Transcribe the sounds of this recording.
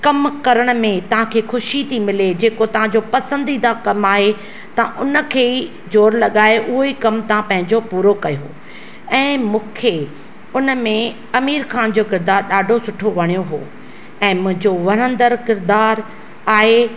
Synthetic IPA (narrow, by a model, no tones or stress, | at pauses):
kɐmkɐɾəɽ̃̆mẽt̪ɐʋ̤ãkʰeːxʊʃit̪ʰimɪled͡ʑeːkot̪ɐʋ̤ãd͡ʑoːpɐsə̃nd̪iːd̪akɐmaːɦe | t̪ɐãʔʊnə̆kʰeːi | d͡ʑoːɾlɐɠaːeʔʊɦoikɐmt̪ɐʋãpɐ̃ɦɪ̃ɲd͡ʑopuːɾokɐjo | ɛ̃ːmũːkʰe | ʊnəmẽ | ɐmiːɾxaːnd͡ʑoːkɪɾd̪aːɾɗaːɖʱosʊʈʰoʋɐɽ̃ijoɦo̰ː | ɛ̃ːmʊ̃ɦɪ̃ɲd͡ʑoʋɐɾə̃nd̪əɾkɪɾd̪aːɾ | aːɦe